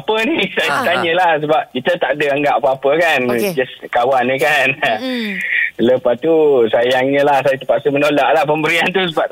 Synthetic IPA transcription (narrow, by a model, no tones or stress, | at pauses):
apənisajat̪aɲə̃lahsəbap̚kit̪ət̪aʔdəaŋɡaʔapəapəkand͡ʒɛskawanːikan | ləpast̪usajaŋɲə̃lahs̬ajat̪əpaʔsəmənolaʔlahpəmbəɾiant̪us̬əbap̚